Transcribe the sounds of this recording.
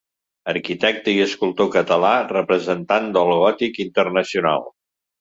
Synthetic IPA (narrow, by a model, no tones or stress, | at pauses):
əɾkit̪ɛk̚t̪əiəskulˠt̪okət̪əlarəpɾəzənt̪and̪əlˠɣɔt̪ikint̪ərnəsiuna̰lˠ